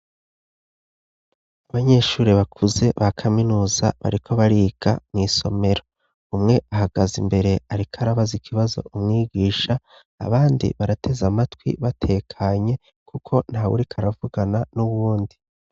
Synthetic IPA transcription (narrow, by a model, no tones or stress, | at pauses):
aβaɲe̞ːʃuːɾiβakʰuze̞βakʰaminuːza̰βa̰ɾikʰo̞βaɾiɡ̥a̰mŋiːso̞̰me̞ɾo̞ | umŋe̞aɦaɡazimbe̞ɾe̞aɾikʰaɾaβazikʰiβazo̞̰ʔumŋiːɡiːʃa̰ː | βaːndḭβaɾatʰe̞zamatwḭβatʰe̞ːkʰaɲe̞ | kʰukʰo̞n̥hawṵɾikʰaɾavuɡananuβuːndi